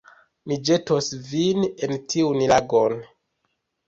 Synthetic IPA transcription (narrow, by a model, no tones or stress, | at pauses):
mid͡ʒe̞tosvinentiunlaɡon